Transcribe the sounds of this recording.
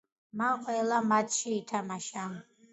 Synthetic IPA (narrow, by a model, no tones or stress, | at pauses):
maqʼwɛlamat̪ʰʃiːt̪ʰamaʃa